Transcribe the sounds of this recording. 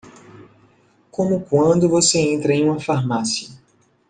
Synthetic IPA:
kõmʊkwɐ̃nd̪ʊvoseẽnt̪ɾɐẽj̃ũmɐfaɾmasiɐ

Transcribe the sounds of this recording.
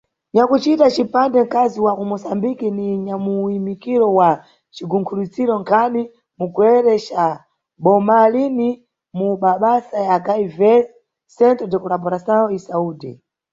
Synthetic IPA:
ɲakut͡ʃitat͡ʃipandɛŋkaziwakumusambikiniɲamuimikiɾɔwa | t͡ʃiɡuŋkʰulut͡siɾɔŋkʰani | muɡwɛɾɛt͡ʃa | bɔmalini | muɓaɓasajakaivɛl | sɛntɛdɛkulabɔɾasaɔisauːdɛ̰

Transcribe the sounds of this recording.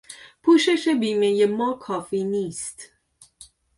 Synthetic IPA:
pʰuːʃe̞ʃe̞biːme̞je̞mɒːkʰɒːfiːniːst̪

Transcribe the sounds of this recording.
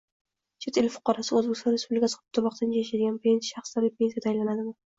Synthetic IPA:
t͡ʃʰet̪ɪlʲfʊ̥qɒɾasɪoɵzbekʲst̪ɔnɾespublɪkʲʰasqʰp̚t̪ʰʊɾmɒq̚t̪ʰand͡ʒajaʃad̪ɪɡʲanpʰe̞nsʃaχsd̪alɪpʰʲe̞nsijad̪ʰajlanad̪ɪma

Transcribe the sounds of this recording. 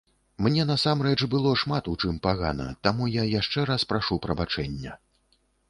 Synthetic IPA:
mnʲɛnɐsamɾɛt͡ʂbɨlˠɔʂmat̪ut͡ʂɨmpaɣa̰nɐ̰t̪amujajaʂt͡ʂɛɾaspɾaʂupɾɐbat͡ʂɛnʲːɐ

